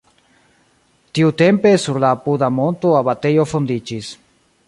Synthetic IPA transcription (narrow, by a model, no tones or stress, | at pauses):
t̪iut̪e̞mpe̞suɾlaːpudamo̞nt̪oaβat̪e̞jo̞fond̪id͡ʒis